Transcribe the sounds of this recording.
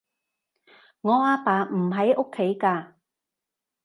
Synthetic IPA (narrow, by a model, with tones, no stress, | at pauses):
ŋɔː˨˧aː˧paː˨m̩˨˩ɦɐ˨˥jʔʊ˥kʰːe˨˥jkaː˧